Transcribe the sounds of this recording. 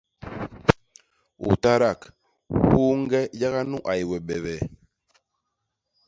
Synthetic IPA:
ṵ˨ta˦ɾa˦˨k | wu˦ŋ˦ɡɛ˦d͡ʒa˦ɣa˦nu˦ʔa˨i˨wɛ˨ɓɛ˨βɛ˨

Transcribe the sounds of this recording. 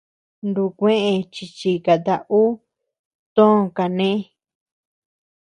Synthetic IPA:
nd̪u˧kʷẽ˦ʔẽ˧t͡ʃi˧t͡ʃi˧ka˨t̪a˧ʔu˦ | t̪õ˦˧ka˨nẽ˦

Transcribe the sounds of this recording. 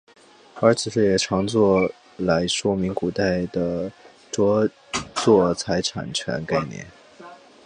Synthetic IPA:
ə˞˧˥t͡sʰɹ̩˨˩ʂɻ̩˥˩jɛ˨˩ʈ͡ʂʰɑ˧˥ŋt͡swɔ˥˩ | la˧˥ɪʂwɔ˥mi˧˥ŋku˨˩t̪a˥˩ɪd̪ə˩ | ʈ͡ʂwɔ˥ | t͡swɔ˥˩t͡sʰa˧˥ɪʈ͡ʂʰa̰˨˩nt͡ɕʰɥɛ̰˧˥nka˥˧ɪnjɛ̰˥˩n

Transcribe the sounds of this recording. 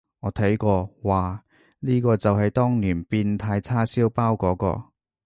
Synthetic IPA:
ŋɔː˨˥t̪ʰɐ˨˥jkɔː˧waː˨˩ | liː˥kɔː˧t͡sɐ˨whɐ˨jt̪ɔː˥ŋniː˨˩npiː˧nt̪ʰaː˧jt͡sʰaː˥siː˥wpaː˥wkɔː˨˥kɔ̰ː˧

